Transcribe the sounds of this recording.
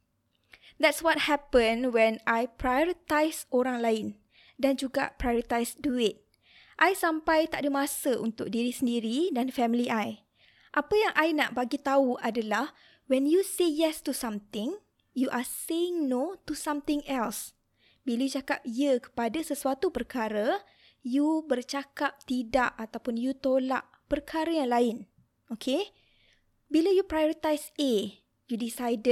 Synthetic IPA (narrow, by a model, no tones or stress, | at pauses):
d̪ɛt̚swɔt̚hɛpə̃nwɛnajpɾajoɾit̪ajsoɾaŋlaɪn | dand͡ʒuɡa̰pɾajoɾit̪ajstuɪt̪̚ | ʔajsampajt̪aʔdəmasəʔṵnt̪ʊk̚diɾisəndiɾidanfɛmiliʔaj | ʔapəjaŋʔajnaʔbaɡit̪auʔadalah | wɛnjusejɛstusãmt̪ɪ̃ŋ | juʔaseɪŋnot̪usãmt̪ɪ̃ŋɛls | bilajut͡ʃakap̚ijəkə̥padasəsuat̪upərkʰaɾə | jubərt͡ʃakap̚t̪idaʔat̪awpʊnjut̪ola̰ʔ | pərkʰaɾajaŋlaɪn | okʰe | biləjupɾajoɾit̪ajse | judisajdə